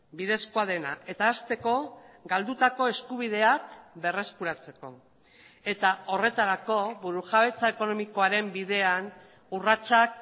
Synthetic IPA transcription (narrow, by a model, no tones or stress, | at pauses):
bið̞e̞skoað̞e̞na̰e̞t̪aːst̪e̞ko̞ɡald̪ut̪ako̞e̞skuβ̞iðe̞akbe̞re̞skuɾat͡se̞ko̞̰ | e̞t̪ao̞re̞t̪aɾako̞βuɾuxaβe̞t͡saeko̞no̞miko̞aɾe̞mbiðe̞an | urat͡ʃak̚